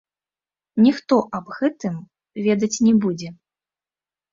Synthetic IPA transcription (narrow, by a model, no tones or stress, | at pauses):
nʲixt̪ɔʔɐbɣɛt̪ɨm | vʲɛd̪ɐt͡sʲnʲɛbud͡zʲɛ